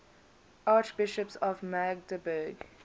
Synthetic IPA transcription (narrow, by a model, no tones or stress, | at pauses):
ʔɑːt͡ʃb̥ɪʃəpsɔvmaɡdəbəːɡ